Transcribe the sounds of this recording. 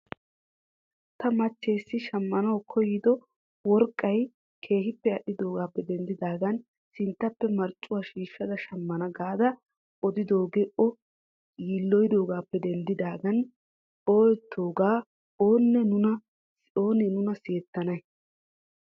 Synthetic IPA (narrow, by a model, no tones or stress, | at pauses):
t̪ɐmɐt͡ʃːeːsːɪʃɐmːɐnɐwkʰɔjɪd̪ɔ | wɔɾkʼːɐj | kʰe̞ːɦɪpːɛɐɗɪd̪o̞ːɡaːpːɛd̪ɛnd̪ɪd̪aːɡɐn | sɪnt̪ːɐpːɛmɐɾt͡ʃʼːʊwaːʃiːʃːɐd̪ɐʃɐmːɐnɐɡaːd̪ɐ | ʔɔd̪ɪd̪o̞ːɡeʔɔ | jiːlːɔjd̪o̞ːɡaːpːɛd̪ɛnd̪ɪd̪aːɡɐn | o̞ːjɛt̪ʰːo̞ːɡaː | oːnːɛnʊnɐ | oːnɛnʊnɐseːt̪ːɐnɐj